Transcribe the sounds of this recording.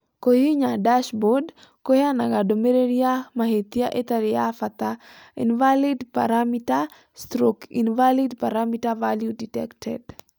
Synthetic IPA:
kojiɲadaʃbɔd | kojanaɡadomeɾeɾiamaɦet̪jaʔet̪aɾɪafat̪a | ḭnvalidpa̰ɾamita | stɾokḭnvalidpaɾamitavaljuditɛ̰ktɛ̰d

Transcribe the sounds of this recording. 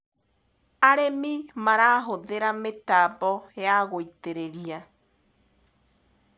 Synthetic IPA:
aɾemimaɾaːɦoðeɾametaːbɔjaɣoiteɾeɾia

